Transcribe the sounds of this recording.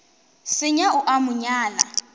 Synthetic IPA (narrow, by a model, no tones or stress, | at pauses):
sɪɲaʊʔamʊɲaːla